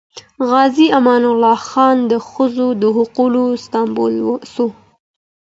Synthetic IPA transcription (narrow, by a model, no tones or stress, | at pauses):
ɣɑziamɑnʊlɑxɑnd̪əxəzod̪əɦʊqulost̪ɑmbo̰lwso